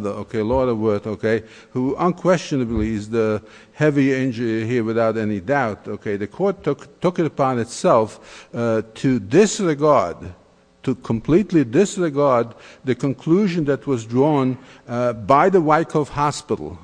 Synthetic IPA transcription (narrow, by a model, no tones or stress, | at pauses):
ðəo̰ʊkʰeɪlɔɾəwɜ˞θoʊkʰeɪ | huə̃nkʰw̥ɛst͡ʃɨnɨbl̩izðɨ | hɛviẽnd͡ʒə˞iɦiɹwɨθaʊɾɛnidaʊtoʊkʰeɪðɨkʰɔɹtʰʊktʰʊkɨɾɨpʰɑ̃nɨtsɛlˠf | tʰɨdɪsɹɨɡɑɹd | tʰɨkʰə̃mpʰl̥itˡlidɪsɹɨɡɑɹd̪̚ðɨkɨ̃nkʰl̥uʒɨ̃nðɨt̚wʌzdɹɔ̃n | baɪðəwaɪkʰʌv̥hɑspɪɾl̩ˠ